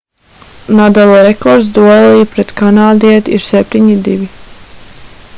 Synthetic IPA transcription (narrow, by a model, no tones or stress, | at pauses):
nad̪alˠɔɾɛkɔɾd̪zd̪uɔlˠijpɾɛt̪kanaːd̪iɛt̪iɾsɛp̚ʲt̪iɲid̪iʋʲi